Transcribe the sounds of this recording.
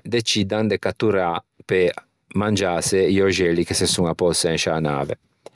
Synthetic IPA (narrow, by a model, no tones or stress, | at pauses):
d̪et͡ʃid̪and̪ekat̪ːuɾape | mand͡ʒaseioʒɛlikesesuŋapːɔseɛnʃaːna̰ːvḛ